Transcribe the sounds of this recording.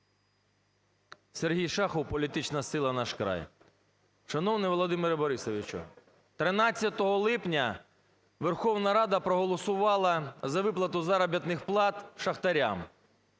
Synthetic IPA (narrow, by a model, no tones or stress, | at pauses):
serɦʲijʃɑxɔwpɔlʲit̪ɪt͡ʃnɐsɪlˠɐnɑʃkɾɑ̰j | ʃɐnɔwnɪjʋɔlˠɔd̪ɪmeɾbɔɾɪsɔʋʲit͡ʃʊ̰ | t̪ɾɪnɑt͡sʲːɐt̪ɔɦɔlˠɪpnʲɐ | ʋerxɔwnɐɾɑd̪ɐpɾɔɦɔlˠɔsʊʋɑlˠɐzɐʋɪplˠɐt̪ʊzɑɾɐbʲjɐt̪nɪxplˠɑt̪ʃɐxt̪ɐɾʲa̰m